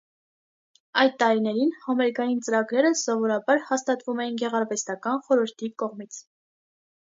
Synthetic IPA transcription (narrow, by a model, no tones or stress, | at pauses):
ɑjd̪̚t̪ːɑɾinɛɾinhɑmɛɾkɑjint͡səɾɑɡɾɛɾəsɔvɔɾɑbɑɾhɑst̪ɑt̪vumɛjinɡɛʁɑɾvɛst̪ɑkɑnχɔɾəɾt̪ʰikɔʁmit͡sʰ